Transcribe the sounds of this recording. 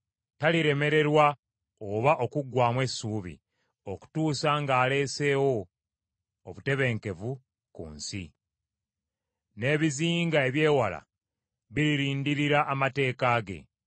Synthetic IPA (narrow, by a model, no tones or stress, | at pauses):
taliɾe̞me̞ɾe̞ɾwa | oβaʔo̞kuɡwaːmwe̞suːβḭ | o̞ku̥tuːsaŋɡaːle̞ːse̞ːwo̞ | βute̞βe̞ːŋke̞vu | kṵːnsḭ | ne̞ːβiziːŋɡae̞βje̞ːwala̰ | βiɾiɾiːndiɾiɾaʔːmate̞ːkaːɡe̞̰